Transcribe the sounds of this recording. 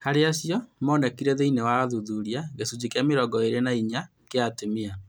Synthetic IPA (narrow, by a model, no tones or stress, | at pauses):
haɾeaɕjɔmɔnɛkiɾɛðeinɛwaaðuðuɾiaɣesud͡ʑikjameɾɔɡɔeɾenaiɲa | keatemia